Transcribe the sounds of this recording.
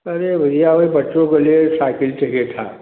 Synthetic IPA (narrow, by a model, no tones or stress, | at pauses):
ɐɾebʱɐd̪ijaɦoibɐʈːʃõkelijesaːkɪlt͡ʃɐɦet̪ʰa̰